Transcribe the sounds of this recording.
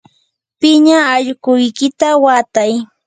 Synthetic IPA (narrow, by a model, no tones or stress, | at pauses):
pɪɲaːʎɢʊjkɪt̪awat̪aj